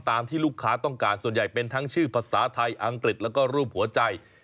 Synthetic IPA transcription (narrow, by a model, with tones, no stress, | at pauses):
t̪aː˧mt̪ʰiː˥˩luː˥˩kʰːaː˦˥t̪ɔ˥˩ŋkaː˧nsu˨˩ənja˨˩jpe˧nt̪ʰa˦˥ŋt͡ɕʰɯː˥˩pʰa˧saː˩˦t̪ʰa˧jʔa˧ŋkɾi˨˩t̪̚lɛ˦˥wkɔː˥˩ɾuː˥˩p̚hu˩˦ɐt͡ɕa˧j